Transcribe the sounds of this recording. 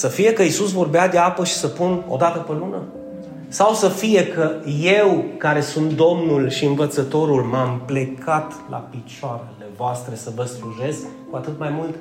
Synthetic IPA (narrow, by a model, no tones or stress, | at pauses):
səfije̞kəisus̬vo̞rbead̪e̞apəʃi̥səpuno̞̰d̪at̪əpelunə | sawsəfije̞kəje̞wkaɾe̞sunt̪̚d̪o̞mnulʃiɨnvət̪sət̪o̞ɾulmample̞kʰat̪lʔa̰pit͡ʃoaɾe̞le̞voast̪ɾe̞səvəsluʒe̞s | kuat̪ɨt̪majmult̪